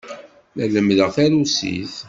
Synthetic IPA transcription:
læləmðəʁθæɾusḭθ

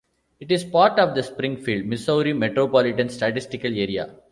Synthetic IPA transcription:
ɪʈɪspaːɾʈɔːʋd̪ɐspɾɪ̃ŋɡfiːɭɖ̚mɪsoʊɾimɛʈɾoːpɔːlɪʈɐ̃nsʈɐʈɪsʈɪkɐleːɾija̰ː

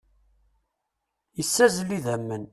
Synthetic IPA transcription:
jəsːæzəlːiðæmːən

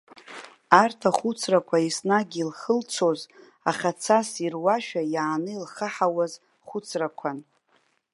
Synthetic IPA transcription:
artʰaχʊt͡sʰrakʷʰaisnaɡʲilχəlt͡sʰo̞z | aχat͡sʰasirwaʃᶣajaːnɨilχəħawaz | χʊt͡sʰrakʷʰan

